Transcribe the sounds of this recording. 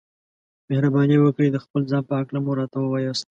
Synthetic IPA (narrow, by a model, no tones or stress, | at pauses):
mehɾabɑniwəkɽid̪əxpəlzɑnpəhaklamuɾɑt̪awəwɑjɑst̪